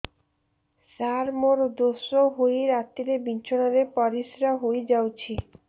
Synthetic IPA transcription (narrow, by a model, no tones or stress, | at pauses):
saɾmoɾd̪osoɦojɾat̪ːiɾebint͡ʃʰonaɾepɔɾisɾaɦojd͡ʒawt͡ʃʰi